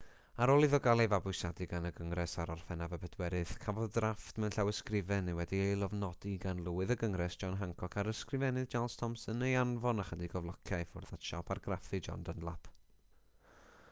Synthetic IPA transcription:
aɾɔlˠiðɔɡalˠɛvabʊjsadɨɡanəɡəŋrɛsaɾɔrfɛnavəbɛdwɛɾɨð̥kʰavɔðdraftmɛnɬawəskrɪvɛnɪwɛdiejlˠɔvnɔd̥iɡanlˠʊɨðəɡəŋrɛsd̥ʒ̥ɔnɦaŋkʰɔkʰaɾəskrɨvɛnɨðd͡ʒalˠstʰɔmsənejanvɔnaχədiɡɔvlˠɔkʰjajfʊrðatʃapʰarɡrafɨd͡ʒɔ̰ndənlˠapʰ

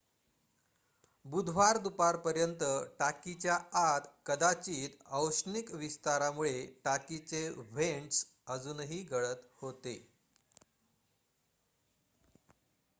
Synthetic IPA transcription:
bud̪ʱʋaɾd̪upaɾpəɾjənt̪əʈakit͡ɕjaat̪kəd̪at͡ɕiːt̪əwɕnikʋist̪aɾamuɭeʈakit͡seʋeɳʈs | əd͡zuːnɦiːɡəɭət̪hot̪e

